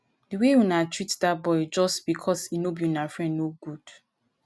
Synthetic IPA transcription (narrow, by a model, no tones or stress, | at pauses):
diwewunatɹitdabɔɪd͡ʒɔstb̥ikʰɔsinobiũnafɹɛ̃ndnoɡud̥